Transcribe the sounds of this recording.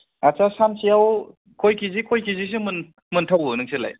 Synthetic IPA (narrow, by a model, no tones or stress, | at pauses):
at͡ʃasamsijaw | kʰojkʰizikʰojkʰizis̬imɯn | mɯntʰawunɯŋsela̰j